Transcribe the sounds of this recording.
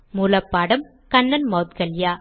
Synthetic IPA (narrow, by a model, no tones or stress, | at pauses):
mulɐpːaːɽɐm | kɐnːɐnmoːt̪̚ɡɐljaː